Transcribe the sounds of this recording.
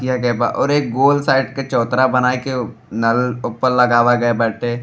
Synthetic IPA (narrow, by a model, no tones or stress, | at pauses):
ijaɡɛba̰ʔɔːɾeːk̚ɡoːlsaːɪɖket͡ʃɔːt̪ɾabɐnaːeke | nɐlʊpːəɾlɐɡaːʋaɡɐebɐʈʰe